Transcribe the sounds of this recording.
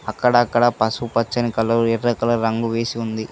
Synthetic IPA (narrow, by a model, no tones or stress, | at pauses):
ɐkːɐɽɐːkːɐɽɐpɐsupɐt͡ʃːɐnikɐlːɐuɛɾːɐkɐlɐɾɐŋɡuʋeːsiund̪i